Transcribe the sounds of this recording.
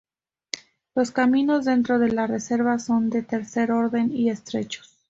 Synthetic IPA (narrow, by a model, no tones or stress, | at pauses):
lo̞skamĩno̞zðe̞nt̪ɾo̞ðe̞lare̞se̞ɾβaso̞nd̪e̞t̪e̞ɾse̞ɾo̞ɾðe̞nie̞st̪ɾe̞̰t͡ʃo̥s